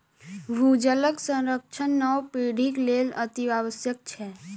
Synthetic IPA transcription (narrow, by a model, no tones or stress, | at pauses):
bʱud͡ʒələɡsə̃nɾək̚t͡ʃʰənːɔwpeːɽʱikleːlət̪iaːwəsjək̚t͡ʃʰɛ